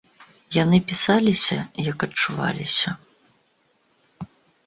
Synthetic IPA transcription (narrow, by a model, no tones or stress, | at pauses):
janɨpʲisalʲisʲɐ̰jɐkɐt͡ʂuva̰lʲisʲɐ